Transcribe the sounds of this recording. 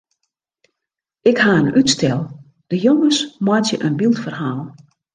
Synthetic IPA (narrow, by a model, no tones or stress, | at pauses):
ɪkhaːənytstɛlˠ | d̥əjoŋəsmwɔtjəʔənbilˠtfərhaːlˠ